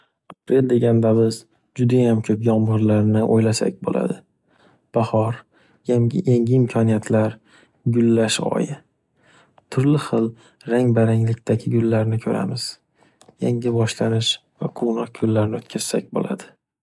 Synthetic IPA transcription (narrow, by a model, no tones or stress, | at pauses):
apɾe̞ld̪e̞ɡʲand̪abɪz | d͡ʒʊd̪ajamkʲʰɵpjɒmʁɨɾlaɾnɪʔo̰jlasa̰k̚ʲbo̰lʔa̰d̪ɪ | b̥ahɒɾ | jaʔeŋɪɪmkʰɒnijat̪ʰlaɾ | ɡʊlːaʃɒ̰jɪ | t̪ʰʊɾlɪχɨlˠ | ɾaŋbaɾaŋlɪkʲt̪ʰaɡʲɪɡʊlːaɾnɪkʰɵɾa̰mɪz̥ | jaŋɪbɒʃlanɪʃvaqʰownɒq̚ɡʊlːaɾnɪɵt̪̚kʲʰaz̥sak̚ʲbo̰la̰d̪ɪ